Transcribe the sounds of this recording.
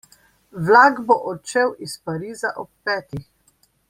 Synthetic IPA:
ʋlaːɡbɔʔɔt͡ʃewʔispaɾiːzaʔɔp̚ːɛːt̪ix

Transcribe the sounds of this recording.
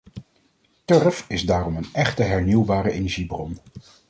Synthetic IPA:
tøɹfɪzdaːrɔmənɛχtəɦɛɹniwbaːɾəʔejnɛɹʒibrɔn

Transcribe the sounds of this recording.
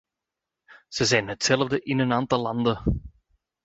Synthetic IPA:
z̥əzɛjnɦətsɛlvdəʔɪnənaːntɑlːɑndə

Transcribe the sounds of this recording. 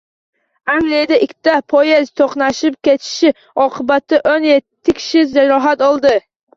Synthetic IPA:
aŋɡlijad̪aʔɪkʲʰt̪apʰojezt̪ʰoqnaʃɪp̚kʲet̪ʰɪ̥ʃɪ | ɒqʰɨbat̪ʰːɪʔonjet̪ʰːɪkʲʰɪ̥ʃɪd͡ʒaɾɒɦat̪ɒlˠd̪ɪ

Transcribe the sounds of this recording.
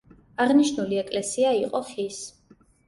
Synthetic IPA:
aʁniʃnuliɛkʼlɛsiaiqʼɔχis

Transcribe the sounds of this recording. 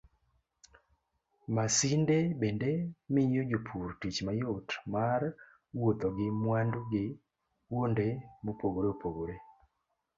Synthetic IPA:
masindebɛndɛmiɲod͡ʒopʰuɾtit͡ʃmajotmar | wot̪ɔɡɪmwanduɡɪ | wondemopoɡoɾeopoɡoɾe

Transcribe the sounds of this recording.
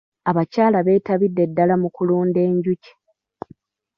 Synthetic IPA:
aβacaːlaβe̞ːtaβidːe̞dːalamukuluːnde̞ːɲɟuci̥

